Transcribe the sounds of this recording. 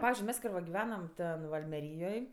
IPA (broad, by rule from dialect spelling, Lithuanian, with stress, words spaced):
ˈpɑːʋʲɪzʲd͡ʒʲʊɪ ˈmʲɛs ˈkɐɪ ʋɐ ɡʲɪˈʋʲæːnɐm ˈtʲɛn ʋɐ ɐlʲmʲɛˈrʲiːjoːj